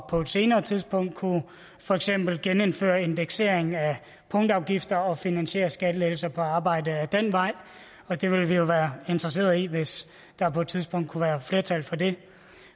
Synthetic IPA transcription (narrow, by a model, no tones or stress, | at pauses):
pʰɒ̽ed̥se̝ːnɐːt͡sʰið̞ˠsb̥ɔ̽ŋ̰d̥̚kʰu | fɒ̽eɡ̥sem̰b̥l̩ɡ̥enenfø̰ːɐe̝nd̥eɡ̥se̝ɐeŋn̩æ | pʰɔ̽ŋd̥ɑ̈ʊɡ̥ifd̥ɐɒ̽finænɕe̝̰ːɐsɡ̥æd̥əleːl̩sɐpʰɒ̽ɑ̈ːb̥ɑ̈ɪ̰dəæd̥en̰ʋɑ̈ɪ̰ | ɒ̽d̥e̝ʋe̝lʋijo̝ʋæːɐe̝nd̥ʁɐs̬e̝̰ːɐðˠiʋe̝s | d̥ɑ̈pʰɒ̽ed̥̚t͡sʰiðˠsb̥ɔ̽ŋ̰d̥̚kʰuʋæːɐfle̝ɐt͡sʰælfɒ̽de̝